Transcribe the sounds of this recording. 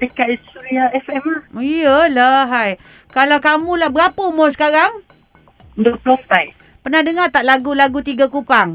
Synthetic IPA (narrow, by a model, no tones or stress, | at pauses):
dəkaʔ̚uɾiaɛfɛmaijəlaɦaj | kalawkamũlahbɾapəmosə̥kaɾaŋ | ndoplɔmt̪ajʔ | pərnahdəŋat̪aʔlaɡulaɡut̪iɡakupaŋ